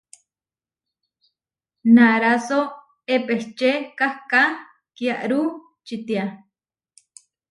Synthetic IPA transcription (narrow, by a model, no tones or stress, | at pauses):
naɾaso | epeht͡ʃekahka | kjaʔɾu | t͡ʃit̪ia